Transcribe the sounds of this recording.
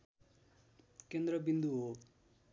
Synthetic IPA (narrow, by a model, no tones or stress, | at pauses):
kend̪rʌbind̪uɦo